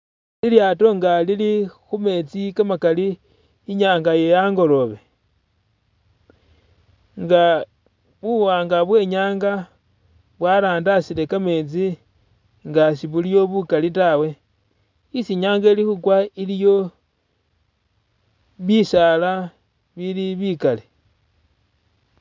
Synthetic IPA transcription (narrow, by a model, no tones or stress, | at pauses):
liljato̞ŋɡalilixume̞t͡sikamakaliː | ɲaːŋɡajejaŋɡo̞lo̞βe̞ | ŋɡa | βuwaːŋɡaβwe̞ɲaːŋɡa | βwalaːndasile̞kame̞t͡si | ŋɡasiβulijo̞βukalitawe̞ | isiɲaːŋɡelixukwailijo̞ | βisala | βiliβikale